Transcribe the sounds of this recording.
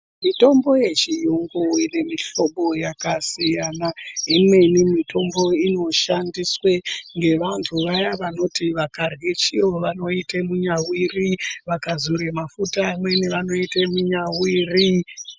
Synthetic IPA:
mito̞mbo̞je̞t͡ʃijuŋɡoine̞miɬo̞ɓo̞jakasijanaimwe̞nimito̞mbo̞ino̞ʃandisweŋɡe̞ʋantʰuʋajaʋano̞tiʋakarɣet͡ʃioʋano̞itemuɲawiriʋakazuɾemafutamweneʋano̞itemuɲawiːri

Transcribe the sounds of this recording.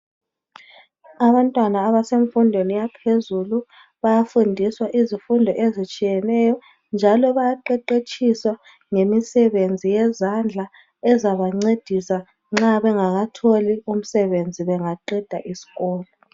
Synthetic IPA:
aβantʼwanaːβaseɱfundʱwenijapʰezulu | βajafundʱiswaʔizifundʱɔʔezit͡ʃʼijɛnɛjɔ | nd͡ʒʱalɔβajaǃɛǃet͡ʃʼiswa | ŋemisɛβend͡zʱijɛzand͡ɮʱa | ɛzaβaŋ͡ǀed̥ʱisa | ŋ͡ǁaβɛŋaɣatʰolium̩sɛβend͡zʱiβɛŋaǃɛd̥ʱa̰ʔisi̥ɣɔːlɔ

